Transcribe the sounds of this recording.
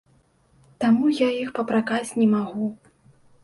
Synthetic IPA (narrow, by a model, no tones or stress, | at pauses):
t̪amujaixpɐpɾakasʲnʲɛmaɣu